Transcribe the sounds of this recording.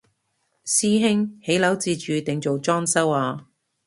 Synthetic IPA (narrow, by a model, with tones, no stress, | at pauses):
siː˥ɦɪ˥ŋhe˨˥jlɐ˨˥wt͡siː˨˧t͡ʃyː˨˧t̪ɪ˨ŋt͡ʃo˨wt͡ʃɔː˥ŋsɐ˥waː˨˧